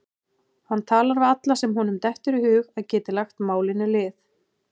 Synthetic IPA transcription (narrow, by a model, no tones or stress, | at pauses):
hant̪ʰaːlaɾvɪat̪lasɛmɦunʏmt̪ɛhft̪ʏɾɪhʏːɣaðcɛːt̪ɪlaxt̪maːwlɪnʏlɪːθ